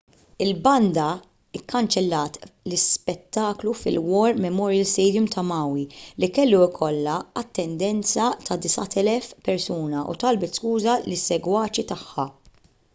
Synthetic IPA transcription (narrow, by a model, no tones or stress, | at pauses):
ɪlbɐnd̪ɐ | ɪkːɐnt͡ʃɛlːɐːt̪lɪspɛt̪ːɐːklufɪ̰lwɔːɾmɛmɔːɾjɐlst̪ɛːd̪jʊmt̪ʰɐmɐːwilikɛlːuɪkʰɔlːɐɐt̪ːɛnd̪ɛnt͡sɐt̪ʰɐd̪ɪsɐt̪ɛlɛfpɛɾsuːnɐʔṵt̪ɐlbɛt̪skuːzɐlɪsːɛɡwɐːt͡ʃit̪ɐħːɐ